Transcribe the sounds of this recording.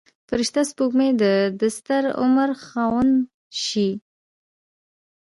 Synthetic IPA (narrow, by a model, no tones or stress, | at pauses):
fəɾɪʃt̪aspukmed̪əd̪ast̪aɾʊ̰maɾxɑwən | ʃi